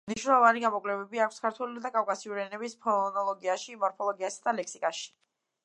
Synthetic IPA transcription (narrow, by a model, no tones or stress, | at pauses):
mniʃwnɛlˠɔvaniɡamɔkʼlɛvɛbiakʰwskʰaɾt̪ʰwɛlid̪akʼafkʼasiuɾiɛnɛbispʰɔnɔlˠɔɡiaʃimɔɾpʰɔlˠɔɡiasad̪alɛkʰsikʼaʃi̥